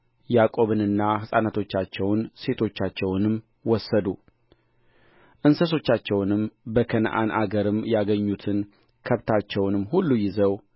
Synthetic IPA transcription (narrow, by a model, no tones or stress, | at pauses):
jakʼo̞βɨnɨnːahɨsʼanat̪ʰo̞t͡ʃːat͡ʃːɛwnse̞t̪ʰo̞t͡ʃːat͡ʃːɛwnɨm | wɔsːəd̪u | ʔɨnsəso̞t͡ʃːat͡ʃːɛwnɨmbəkʰən̰ʔa̰nʔa̰ɡəɾɨmjaɡəɲːut̪ʰɨn | kʰəβt̪ʰat͡ʃːɛwnɨmːhulːujɪzəw